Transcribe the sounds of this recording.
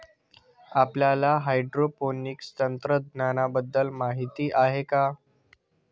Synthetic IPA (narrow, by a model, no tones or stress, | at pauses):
apljalaɦajɖɾoponikst̪ənt̪ɾəd̪nanabəd̪ːəlmaɦit̪iːʔaɦeka